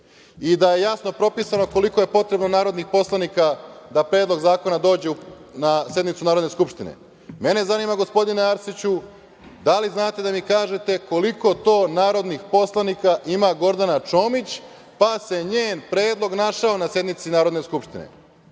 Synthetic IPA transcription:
id̪aje̞jasno̞pɾo̞pisano̞ko̞liko̞je̞po̞t̪ɾe̞bno̞naːɾo̞d̪nixpo̞slˠanikad̪apɾeːd̪lˠo̞ɡzaːko̞nad̪o̞ːd͡ʑe̞unasje̞d̪nit̪sunaːɾod̪ne̞skupʃt̪inḛ | me̞ne̞zaniːmaɡo̞spo̞d̪ineaɾsit͡ɕu | d̪aliznaːt̪e̞d̪amikaːʒe̞t̪e̞ko̞liko̞t̪o̞ːnaːɾod̪nixpo̞slˠanikaʔimaɡo̞ɾd̪anat͡ʃo̞ːmit͡ɕ | pase̞ɲeːnpɾe̞ːd̪lˠo̞ɡnaʃaonasje̞d̪nit̪sinaːɾo̞d̪ne̞skupʃt̪inḛ

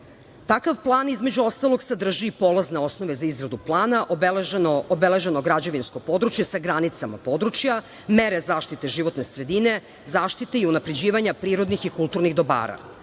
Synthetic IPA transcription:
t̪akaʋplˠaːnizme̞d͡ʑuo̞st̪alˠoɡsad̪r̩ʒiːpo̞lazneo̞snoʋe̞zaizɡɾad̪uplˠaːnaʔobobele̞ʒe̞no̞ɡɾad͡ʑoʋinsko̞po̞d̪ɾut͡ʃjesaɡɾanit̪sama̰po̞d̪ɾut͡ʃja | meɾe̞zaːʃt̪it̪e̞ʒiʋo̞t̪ne̞sɾe̞d̪ine | zaːʃt̪it̪eiunapɾe̞d͡ʑiːʋaɲapɾiːɾo̞d̪nixikulˠt̪uɾniɣd̪o̞ba̰ːɾa̰

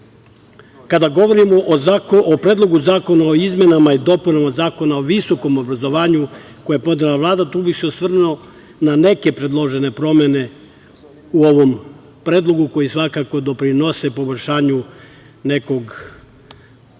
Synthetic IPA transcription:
kad̪aɡo̞ʋo̞ɾimoʔopɾed̪lˠo̞ɡuzaːko̞naoizme̞namaid̪o̞punamazaːko̞naoʋiso̞ko̞mo̞bɾazo̞ʋaːɲuko̞japo̞nod̪elaʋlˠaːd̪at̪uːbiseosʋr̩neo | nane̞ke̞pɾe̞d̪lˠo̞ʒe̞ne̞pɾo̞me̞ne̞ | uo̞ʋo̞m | pɾe̞ːd̪lˠo̞ɡuko̞jisʋakako̞d̪o̞pɾino̞se̞po̞boʎʲʃaːɲu | ne̞ko̞ɡ

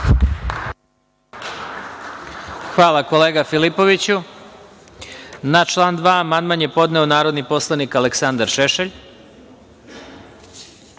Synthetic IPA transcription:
xʋaːlˠako̞leːɡafilipo̞ʋit͡ɕu | nat͡ʃlˠaːnd̪ʋaːmanmanje̞po̞d̪neonaːɾo̞d̪nipo̞slˠanikaleksand̪aɾʃeʃeʎ

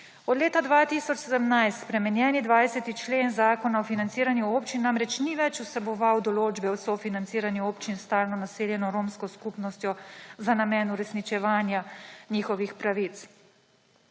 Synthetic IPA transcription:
ɔd̪leːt̪ad̪ʋaːt̪isɔt͡ʃsɛd̪əmnajst̪spɾɛmɛnjɛːnid̪ʋajsɛt̪it͡ʃleːnzaːkɔnaɔfinant̪siːɾanjuoːpt͡ʃinːamɾɛt͡ʃniʋɛt͡ʃusɛbɔʋawd̪ɔloːd͡ʒbɛwsɔfinant̪siːɾanjuoːpt͡ʃinst̪aːlnɔnaseːljɛnɔɾomskɔskupnɔst̪jɔzanamɛːnuɾɛsnit͡ʃɛʋaːnjaniːxɔʋixpɾaʋit̪s

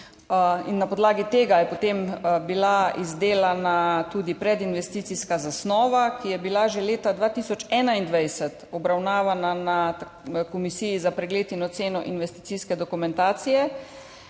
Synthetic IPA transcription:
inːapɔd̪laːɡit̪eːɡajɛpot̪embilaizd̪eːlanat̪uːd̪ipɾɛd̪inʋɛst̪iːt̪siskazasnɔːʋakijɛbilaʒɛleːt̪ad̪ʋaːt̪isɔt͡ʃɛːnaind̪ʋɛjsɛt̪ɔbɾawnaːʋanana | kɔmisijizapɾɛɡleːt̪inɔt̪seːnɔʔinʋɛst̪i̥t̪siskɛd̪ɔkumɛ̃nt̪aːt̪sijɛ

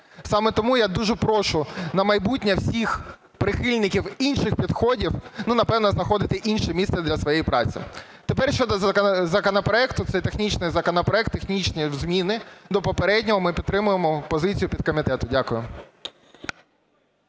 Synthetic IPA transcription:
sɑmɛt̪ɔmujad̪uʒɛpɾɔʃʊnɐmɐjbutʲnʲɐwsʲix | pɾɪxɪlʲnɪkʲiwinʃɪxpʲid̪xɔdʲiwnunɐpɛwnɐznɐxɔd̪ɪt̪ɪʔinʃɛmʲist̪sɛd̪lʲɐsʋɔjejipɾɑ̰t͡sʲḭ | t̪epɛrʃt͡ʃɔd̪ɐzɐkɔnɐpɾɔɛkt̪ʊt̪sɛjt̪exnʲit͡ʃnɪjzɐkɔnɐpɾɔɛk̚t̪ːexnʲit͡ʃnʲizmʲinɪd̪ɔpɔpeɾɛdʲnʲɔɦɔmɪpʲidt̪ːɾɪmʊjemɔpɔzɪt͡sʲijʊpʲid̪̚kɔmʲit̪ɛt̪ʊdʲakʊjʊ

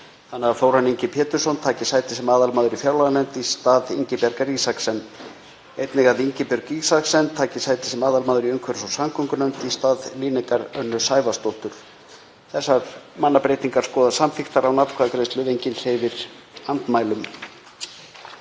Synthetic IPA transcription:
θanːaɣafoːwɾanːiɲcɪpʰɛːt̪ʏɾ̥sɔnt̪ʰaːcɪsaːjt̪ɪ̥sɛmaːðalmaːðʏɾifjaːwlaɣlɛnt̪ist̪aːðiɲcɪpɛɾkaɾisaksɛn | ejt̪nɪɣaðiɲcɪpʏɾkiɣsaksɛnt̪ʰaːcɪsaːjt̪ɪ̥sɛmaːðalmaːðʏɾiœŋkʰɛɾsɔwsamkʰʏŋkʏnœnt̪ist̪aːðliːnɪkaɾœnːʏsaːjvast̪ol̥t̪ʏɾ̥ | θɛsːaɾmanːapɾejt̪iŋkaɾ̥skɔːðasamfɪxt̪aɾawnat̪kʰvaðkɾest̪lʏvejɲcɪnhejvɪɾ̥ | ant̪maːjlʏm

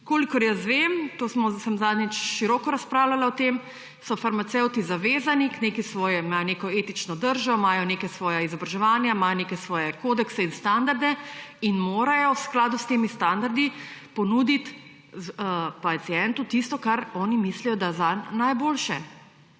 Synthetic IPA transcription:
koːlikɔɾjasʋemt̪oːsmɔsəmzaːd̪nʲɛt͡ʃʃiɾɔːkɔɾaspɾaːwlalaɔt̪em | sɔfaɾmat̪sɛwt̪izaʋeːzanikneːkisʋɔːjɛmajɔneːkɔeːt̪it͡ʃnɔd̪əɾʒɔmajɔnekɛsʋɔːjaizɔbɾaʒɛʋaːnjamaːjɔnekɛsʋɔːjɛkoːd̪ɛksɛinst̪and̪aɾd̪ɛinmoːɾajɔwsklaːd̪ust̪eːmist̪and̪aɾd̪ipɔnuːd̪it̪ | pat̪sijɛnt̪ut̪ist̪ɔkaɾɔːnimislijɔd̪azanajboːlʃɛ

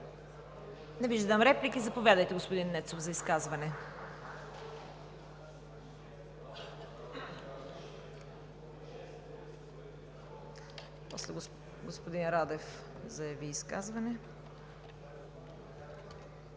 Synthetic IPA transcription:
nɛviʒd̪ɛd̪amɾɛplikizɐpovʲjad̪əjt̪ɛɡospod̪inːɛt̪sofzɐiskazvɐnɛ | pɔslɛ | ɡospod̪inɾad̪ɛf | zɐjɐviːska̰zvɐnɛ

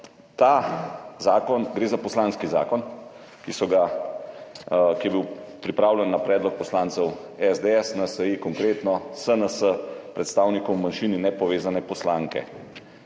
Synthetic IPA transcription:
t̪azaːkɔnɡɾeːzapɔslaːnskiza̰ːkɔn | kisɔɡa | kijɛbiwpɾipɾaːwlʲɛnːapɾɛːd̪lɔk̚pɔslaːnt̪sɛwɛzd̪eɛsnasəjikɔŋkɾeːt̪nɔsənəsəpɾɛt̪st̪aːwnikɔwmanʃiːninɛpɔʋeːzanɛpɔslaːŋkɛ̰

